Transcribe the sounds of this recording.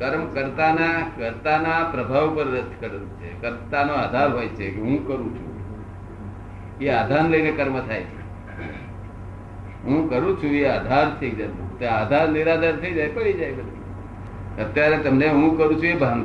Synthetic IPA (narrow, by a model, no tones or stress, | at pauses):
kəɾmkəɾt̪anakəɾt̪anapɾəbʱaʋpəɾːəd̪kəɾeũt͡ʃʰekəɾt̪anoad̪ʱaɾɦojt͡ʃʰekeɦũkəɾũt͡ʃʰṵ̃ | ead̪ʱanləijnekəɾmət̪ʰajt͡ʃʰe | ɦũkəɾũt͡ʃʰũead̪ʱaɾt͡ʃ̪ʰeid͡ʒət̪ṵ̃t̪ad̪ʱaɾniɾad̪əɾt̪ʰəid͡ʒajpəɭid͡ʒajbəd̪i | ət̪jaɾet̪əmneɦũkəɾũt͡ʃʰũebʱan